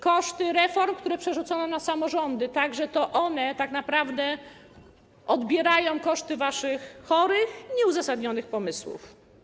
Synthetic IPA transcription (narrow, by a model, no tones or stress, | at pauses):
kɔʂt̪ɘɾɛfɔɾmkt̪uɾɛpʂɛʐut̪sɔnɔnasamɔʐɔnd̪ɘt̪aɡʐɛt̪ɔʔɔnɛt̪aknapɾavd̪ɛ | ʔɔd̪bʲjɛɾajɔ̃w̃kɔʂt̪ɘvaʂɘxːɔɾɘxɲɛuzasad̪ɲɔnɘxpɔmɘswṵf